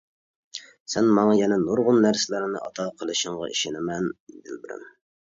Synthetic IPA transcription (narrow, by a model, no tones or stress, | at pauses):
sɛnmɑŋɑjɛnɛnoɾʁʊnːæɾsɪlæɾɪnɪ̰ʔɑ̰t̪ʰɑqʰəlˠɨʃɪɴʁɑ̰ʔḭʃɪnɪmɛnd̪ɪ̰lbɪɾɪ̰n